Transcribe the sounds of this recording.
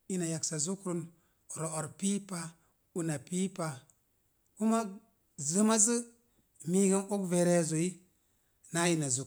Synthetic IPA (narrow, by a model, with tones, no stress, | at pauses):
i˦na˨ja˨ksa˨zu˦kɾu˦n˨ | ɾo˨o˨ɾpi˦pa˦ | u˨na˨pi˦pa˨ | ku˦ma˦ | zə˦ma˦zi˦ | mi˦ɡə˦no˦kve˨ɾe˦˨zo˨i˦ | na˦ji˨na˨zu˨